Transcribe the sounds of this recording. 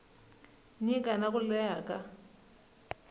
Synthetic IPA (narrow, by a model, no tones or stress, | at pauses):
nikʼanakulɛjaːkʼa